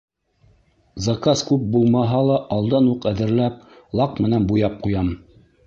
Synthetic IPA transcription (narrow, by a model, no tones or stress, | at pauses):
zɑkɑskʉp̚bulˠmɑɦɑlˠɑʔɑlˠd̪ɑnuqæðɘ̆ɾlæp̚ | lˠɑqmɘ̆nænbujɑp̚qujɑm